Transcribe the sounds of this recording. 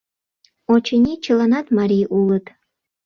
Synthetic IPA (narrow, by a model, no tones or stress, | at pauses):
ot͡ɕənʲit͡ɕə̆lɑnɑt̪mɑɾʲijʔulət̪